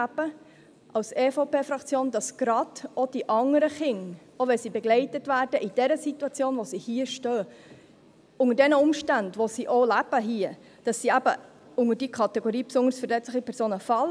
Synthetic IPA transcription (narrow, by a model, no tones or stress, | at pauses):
æb̥ə | ʔɑlseːfoʊpeːfɾɑkt͡sjoːnd̥ɑsɡ̥ɾɑd̥od̥iʔɑŋəɾəχɪŋ | oʋɛlsiːbɛɡlɛɪtətʋæːrd̥əʔid̥ɛɾəsituɑt͡sjoːnʋosihiəʃtøː | ʊŋədɛnəʊmʃtændʋosiʔolæb̥əɦiə | d̥ɑsːiæbə | ʊŋəɾdikʰɑtɛɡ̥oɾiːpsʊŋəɾsfəɾlɛt͡sləχipʰɛɾsoːnəfɑl